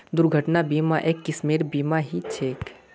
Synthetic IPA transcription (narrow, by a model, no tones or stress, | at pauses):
d̪ʊɾɡʱəʈnabiːmaʔeːkːɪsmeːɾbiːmaɦit͡ʃʰeːk